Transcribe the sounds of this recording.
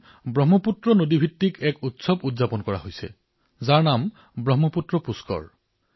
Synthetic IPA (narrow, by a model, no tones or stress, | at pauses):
bɹɔɦmɔputɹɔnodibʱitːikɛkutsɔbudzapɔnkɔɹa̰ɦojsɛ̰ | zaɹnam | bɹɔɦmɔputɹɔpuskɔ̰ɹ